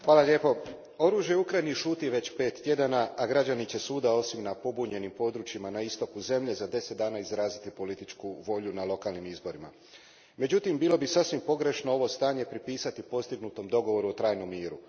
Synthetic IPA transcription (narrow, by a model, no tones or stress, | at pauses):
xʋaːlaʎʲe̞ːpo̞ | o̞ɾuːʒjeukɾajniʃuːt̪iʋe̞t͡ɕpe̞ːt̪ːje̞d̪anaːɡɾad͡ʑanit͡ɕe̞suːd̪ao̞simnapo̞buɲe̞nimpo̞d̪ɾuːt͡ɕjimanaist̪o̞kuze̞mʎe̞zad̪e̞set̪̚d̪aːnaizɾaːzit̪ipo̞lit̪it͡ʃkuʋo̞ʎunalˠo̞kaːlˠnimizbo̞ɾima̰ | me̞d͡ʑut̪imbiːlo̞bisasʋimpo̞ɡɾe̞ʃnoo̞ʋo̞st̪aːɲe̞pɾipiːsat̪ipo̞st̪iɡnut̪o̞md̪o̞ɡo̞ʋo̞ɾuot̪ɾaːjno̞mːiːɾu